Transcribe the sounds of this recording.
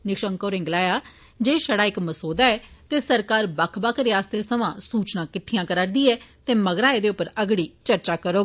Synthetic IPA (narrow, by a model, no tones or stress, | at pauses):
nɪkʃəŋkoːɾɪ̃ŋɡlaːjaː | d͡ʒeːʃəɽaːɪkməsoːd̪aːɛːt̪eːsəɾkaːɾbakʰbaːkɾaːst̪ɾeːsəʋãːsuːt͡ʃnãːkɪʈʰːijãːkəɾaːɾd̪iːɛːt̪eːməɡɾaːed̪eːʊpːəɾəɡɽiːt͡ʃəɾt͡ʃaːkəɾoːɡː